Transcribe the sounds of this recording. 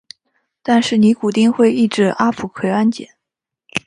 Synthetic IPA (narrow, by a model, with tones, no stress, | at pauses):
t̪a˥˧nʂɻ̩˥˩ni˧˥ku˨˩t̪i˥˧ŋxwe˥˧ɪi˥˧ʈ͡ʂɻ̩˥˩ʔa˥pʰu˨˧˩kʰwe˥ɪa˥nt͡ɕjɛ̰˨˩˦n